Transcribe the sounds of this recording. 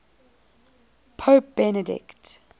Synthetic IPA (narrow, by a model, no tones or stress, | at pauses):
pʰop̚b̥ɛnədɪ̰kt